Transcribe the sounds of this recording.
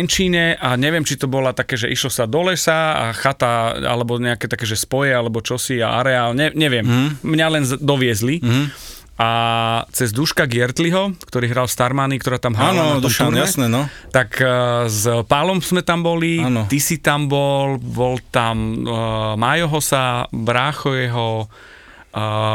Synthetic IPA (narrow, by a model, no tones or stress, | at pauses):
nt͡ʃiːɲɛʔaɲɛʋɪɛmt͡ʃit̪ɔbɔlat̪akɛːʒɛʔiʃlɔsad̪ɔlɛsaa̰xat̪aa̰lɛbɔɲɛakɛːt̪akɛːʒɛspɔjɛalɛbɔt͡ʃɔsia̰a̰ɾɛaːlɲɛɲɛʋɪɛmmɲalɛnzd̪ɔʋɪɛzli | at͡sɛzd̪uʃkaɡɪɛɾt̪liɦɔkt̪ɔɾiːɦɾalst̪aɾmanikt̪ɔɾaːt̪amɦɾalnaaɔmt̪uɾɲaɛsnɛnɔt̪akzpalɔmzmɛt̪ambɔlit̪isit̪ambɔlbɔlt̪am | majɔɦɔsabɾaːxɔjɛɦɔ